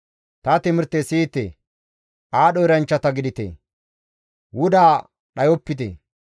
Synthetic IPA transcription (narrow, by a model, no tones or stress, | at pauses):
t̪ɐt̪ɪmɪɾt̪ːesiːt̪ḛː | ʔaːɗɔjɾɐnt͡ʃːɐt̪ɐɡɪd̪ɪt̪ḛː | wʊd̪aː | ɗɐjɔpːɪt̪ḛː